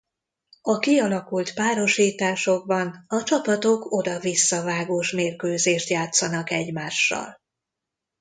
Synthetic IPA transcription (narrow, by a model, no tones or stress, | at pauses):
ɒkiɒlɒkult̪paːɾo̞ʃiːt̪aːʃo̞ɡ̚bɒnɒt͡ʃɒpɒt̪o̞kʰo̞d̪ɒvisːɒvaːɡoːʃmeːrkøːzeːʃt̪jaːt̪sɒnɒkɛɟmaːʃːɒ̰l